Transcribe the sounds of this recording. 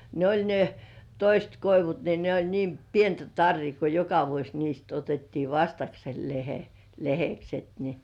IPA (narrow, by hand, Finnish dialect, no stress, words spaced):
ne olʲ ne toist koiʋut ni ne olʲ niːm pientæ tɑrːiː ko jokɑ ʋuosʲ niːst otetːiː ʋɑstɑksel lehe lehekset ni̥